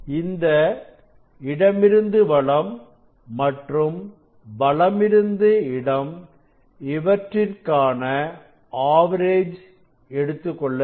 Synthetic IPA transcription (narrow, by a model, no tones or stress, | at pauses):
ɪnd̪ɐ | ɪɽɐmɪɾɯnd̪ɯʋɐɭɐmː | ɐʈrɯm | bɐɭɐmɪɾɯnd̪ɯɪɽɐm | ɪʋɐʈrɪrkaːnɐ | aːʋɐɾeːd͡ʒ | ɛɽɯt̪ːɯkːɔɭːɐ